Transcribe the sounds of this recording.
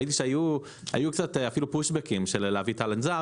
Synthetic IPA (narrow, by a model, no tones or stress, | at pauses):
it̪̬iʃeaju | a̰jukt͡sat̪eafilupuʃbekimʃelleavit̪alenza